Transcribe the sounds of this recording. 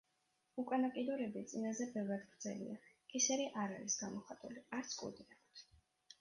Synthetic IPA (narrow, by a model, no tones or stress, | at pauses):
ukʼanakʼid̪ɔɾɛbit̪sʼinazɛbɛvɾad̪ɡɾd̪zɛ̰lḭakisɛɾiʔaɾa̰ɾisɡamɔχat̪ʼṵliaɾt̪sʰkʼṵd̪iɾɛkʰt̪ʰ